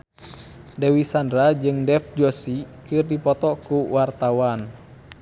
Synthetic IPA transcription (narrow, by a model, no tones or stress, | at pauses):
dɛwisandɾad͡ʒɨŋdɛfd͡ʒɔsikɨrdipɔt̪ɔkuwart̪awan